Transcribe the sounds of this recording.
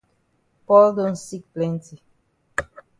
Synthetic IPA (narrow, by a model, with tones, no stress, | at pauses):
pɔ˦ldõ˦nsi˦k̚plɛ̃˦nti˨